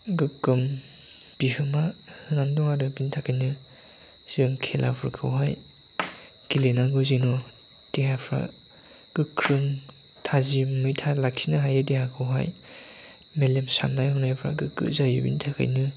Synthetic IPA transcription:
ɡɯkːɯmb̥ihɯmahɯnamdɔŋadɯbintʰakʰajnɯ | z̥ɯŋkʰelʔa̰pʰɯɾkʰɯwɦaj | kilenaɡɯzinɔd̥eɦapʰɾa̰ɡ̥ɯkʰɾɯŋtʰazimɯjtʰalaksinaɦajɯdehakʰɯwɦa̰j | melemsa̰mnajhɔnajpʰɾa̰ɡɯkɯ̰zajɯ̰bḭntʰakʰa̰jnɯ

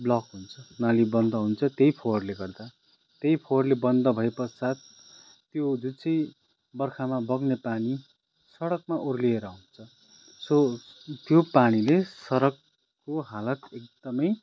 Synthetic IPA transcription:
blʌkɦunt͡sʰʌnalibʌnd̪ʌɦunt͡sʰʌt̪ejpʰoʌrleɡʌrd̪a | t̪ejpʰoʌrlebʌnd̪ʌbʱʌepʌsat̪̚ | t̪jod͡zut͡sʌj | bʌrkʰamabʌɡnepani | sʌɽʌkmaʔorlieɾʌɦunt͡sʰʌ | sʌt̪jopaɽilesʌɾʌkː | oɦalʌt̪ek̚d̪ʌmʌj

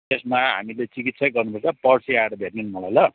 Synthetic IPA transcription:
t̪esmaɦa̰milet͡sikit̪sʰʌjɡʌrnupʌrt͡sʌpʌrsiaeɾʌbʱetnenmʌlajlʌ

